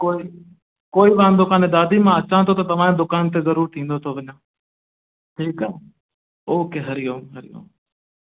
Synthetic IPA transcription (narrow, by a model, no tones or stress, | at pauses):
koːiː | koːiːʋãːnd̪ʊkaːneːd̪aːd̪iːmãːət͡ɕãːt̪ʰot̪ɐt̪ɐʋ̤ãːẽd̪ʊkaːnt̪eːzəɾuːɾt̪ʰĩːnd̪oːt̪ʰoːʋəɲãː | ʈʰiːkaː | oːkeːɦəɾɪjõːɦəɾɪjõ̰ː